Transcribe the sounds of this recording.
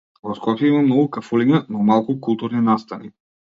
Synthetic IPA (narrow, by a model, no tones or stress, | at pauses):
vɔskɔpʲjɛimamnɔɡukafuliɲanɔmalˠkukulˠt̪uɾninast̪ani